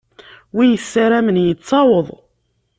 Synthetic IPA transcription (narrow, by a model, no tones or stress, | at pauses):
wijəsːaɾæmənjət͡sːɑwəðˤ